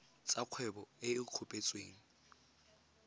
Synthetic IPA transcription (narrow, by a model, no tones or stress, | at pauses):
t͡sʼaq͡χʰwɛbɔeɪq͡χʰʊpʼet͡sʼweːŋ̩